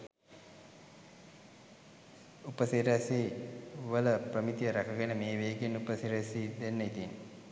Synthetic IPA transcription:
upəsiɾəsiːʋələprəmit̪ijəɾakəɡenəmeːʋeːɡenupəsiɾesiːd̪enːəit̪in

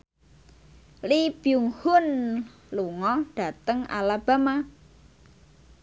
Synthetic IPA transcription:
lib̥juŋhʊn | luŋɔɖ̥a̤t̪əŋa̰lab̥a̤ma

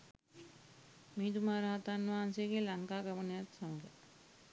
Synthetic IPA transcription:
miid̪umaːɾaɦat̪aːnːʋaːanseːɡeːlaŋkaːɡɐʋənejat̪saməɡə

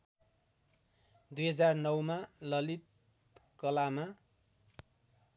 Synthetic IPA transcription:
d̪ujɦʌd͡zarnʌwmalʌlit̪̚ | kʌlama

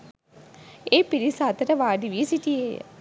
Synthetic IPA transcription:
epiɾisaːt̪ɐɾəʋaːɖiʋisiʈiḛ

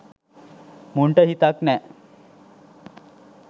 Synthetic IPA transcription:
muɳʈəɦit̪aknɛ

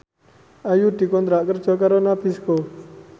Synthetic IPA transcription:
ajuʈ̪ikond̪ɾaʔkəɾt͡ʃʰɔk̬aɾonapʰisko

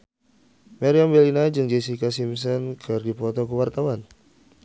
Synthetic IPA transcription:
maɾiambɛlinad͡ʒɨŋd͡ʒesikasims̬ɔnkʰɨrdipɔt̪ɔkəwart̪awan

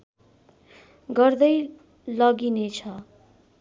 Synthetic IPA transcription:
ɡʌrd̪ʌj | lʌɡinet͡sʰʌ

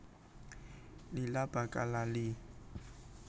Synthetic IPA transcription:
lɪlab̥ʱakʼalalɪ

